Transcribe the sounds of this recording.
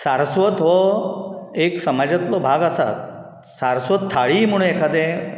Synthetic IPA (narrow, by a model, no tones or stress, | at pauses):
saɾsʋət̪ʋɔ | eksəmad͡ʑət̪lɔbʱaɡəsa̰t̪ | saɾsʋət̪ʰːaɭim̤əɽ̃ũekʰad̪ẽ